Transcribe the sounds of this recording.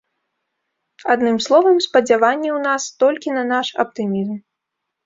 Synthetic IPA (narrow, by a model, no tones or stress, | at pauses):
ad̪nɨmslˠɔvɐmspɐd͡zʲavanʲːɛwnast̪ɔlʲkʲinɐnaʂɐ̰p̚t̪ɨmʲizm